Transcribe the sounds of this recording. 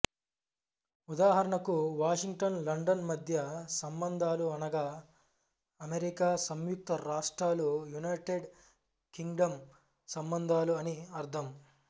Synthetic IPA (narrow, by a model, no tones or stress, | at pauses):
ud̪aːɦɐɾɐɳɐkuʋaːʂiŋɡ̚ʈɐnlɐɳɖɐnmɐd̪ʱjɐsɐmbɐnd̪ʱaːluɐnɐɡaː | ɐmeɾikaːsɐmjuk̚t̪ɐɾaːʂʈɾaːlujunɐjʈeɖ | kiŋɡɖɐm | sɐmbɐnd̪ʱaːluɐniɐɾt̪ʰɐm